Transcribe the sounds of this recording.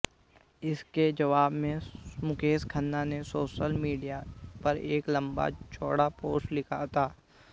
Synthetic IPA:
ɪsked͡ʒɐʋaːbmẽmʊkeːskʰənːanesoːʃəlmiːɖijapɐɾeːklɐ̃mba̰t͡ʃʰoːɽapoːlɪkʰat̪ʰaː

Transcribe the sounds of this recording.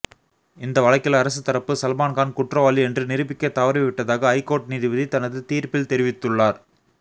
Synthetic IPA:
ɪnd̪ɐʋɐɭɐɪkːɪlɐɾɐsɯt̪ːɐɾɐpːɯsɐlmaːnkaːnkʊʈrɐʋaːliɛndrɯnɪɾɯbɪkːɐt̪ːɐʋɐɾɯʋɪʈːɐðaːɣɐːɪkːoːʈ̚niːðiʋɐðit̪ɐnɐðɯt̪iːɾpɪlt̪ɛɾɪʋɪt̪ːɯɭːaːɾ

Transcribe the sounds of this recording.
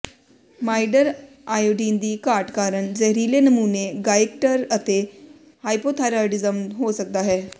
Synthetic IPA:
majɖəɾ | ajoɖind̪iːkaɾʈkaɾəɳd͡zəɦɾilenəmuːneɡajek̚ʈəɾət̪e | hajpot̪ʰaɾaɾʈid͡zəmɦosək̚d̪aɦe

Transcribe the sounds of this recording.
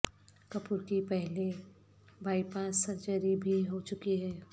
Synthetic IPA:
kɐpʊɾkipɛɦle | bʱaːipãːsɐɾt͡ʃəɾibʱiɦot͡ʃʊkiɦɛː

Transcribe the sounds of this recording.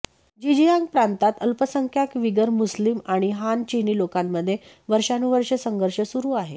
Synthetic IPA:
d͡ʑid͡ʑijãŋɡpɾant̪at̪əlpəsəŋkʰjakʋiɡəɾmuslimaɽ̃iɦant͡ɕiniːlokamːəd̪ʱːje | ʋəɾʂanuʋəɾʂəsəŋɡəɾʂəsuɾuːaɦe

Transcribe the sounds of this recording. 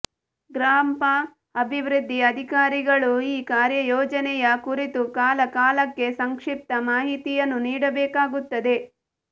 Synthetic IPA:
ɡɾaːmpɐ | ɐbʱiʋɾud̪ʱːiɐd̪ʱikaːɾiɡɐɭuiːkaːɾjɐjɔːd͡ʒɐnɛjɐkuɾit̪ukaːlɐkaːlɐkːe̞sɐŋkʂip̚t̪ɐmaːɦit̪ijɐnːuniːɽɐbɛːkaːɡut̪ːɐd̪e̞

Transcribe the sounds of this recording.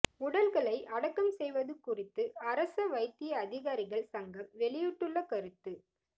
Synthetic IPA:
ʊɽɐlɣɐɭɐɪʔɐɽɐkːɐmsɛjʋɐðɯkʊrɪt̪ːɯɐɾɐsɐʋɐɪt̪ːɪjɐːðɪɣaːɾɪɣɐɭsɐŋɡɐmʋɛɭɪjɯʈːɯɭːɐkɐɾɯt̪ːɯ

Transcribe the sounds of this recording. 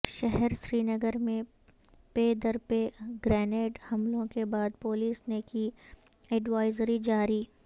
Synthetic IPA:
ʃɛɦɛɾʃɾiːnəɡəɾmẽ | peːd̪əɾpeɡɾɛːneːʈhɐmlõkebaːd̪poːliːsneki | ɛɖʋaːɪzɾid͡ʒaːɾiː

